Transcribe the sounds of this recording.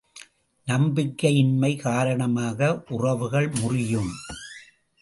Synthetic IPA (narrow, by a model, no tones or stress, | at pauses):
nɐmbɪkːɐjɪnmɐɪkaːɾɐɳɐmaːɣɐʔʊrɐʋɯɣɐɭmʊrɪjɯm